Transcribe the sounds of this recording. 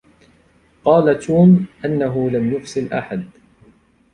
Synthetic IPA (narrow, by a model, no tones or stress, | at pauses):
qɑːlat̪uːmʔanːaɦʊlamjʊfsɪlʔa̰ħad̪